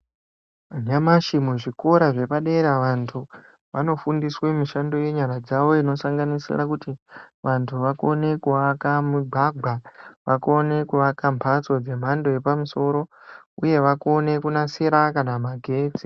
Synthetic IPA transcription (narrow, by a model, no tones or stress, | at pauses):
ɲamaʃimuʐiko̞ɾaʐe̞paɗe̞ɾaʋantʰu | ʋano̞fundiswemiʃando̞je̞ɲaɾad͡zaʋo̞ino̞saŋɡanisḭrakutiʋantʰuʋako̞ne̞kuʋakamuɡ͡bʱaɡʱwaʋako̞ne̞kuʋakampʰat͡so̞d͡ze̞m̤ando̞je̞pamuso̞ɾo̞ | uje̞ʋako̞ne̞kunaseɾakanamaɡʱe̞ːt͡si